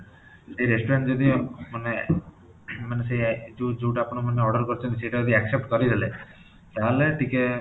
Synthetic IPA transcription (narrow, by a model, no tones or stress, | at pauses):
sejɾesʈɔɾeɳʈd͡ʒɔd̪imane | manesejd͡ʒud͡ʒuʈapɔɽ̃ɔmaneɔɾɖɔɾkɔɾit͡ʃʰɔnt̪iseʈad͡ʒɔd̪iaksep̚ʈkɔɾid̪ele | t̪aɦleʈike